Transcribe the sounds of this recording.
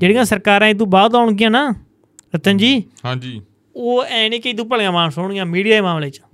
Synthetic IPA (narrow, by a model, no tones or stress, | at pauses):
d͡ʒeːɽɪjãːsəɾkaːɾãːɪd̪ũːbaːd̪aːʊɳɡɪjãːnaː | ɾət̪ʰənd͡ʒiːɦãːd͡ʒiː | oːɛ̃ːnĩːkəiːd̪uːp̬əlɡãːmãːsoːɳɡɪjãːmiːɽijaːeːmãːmleːt͡ʃː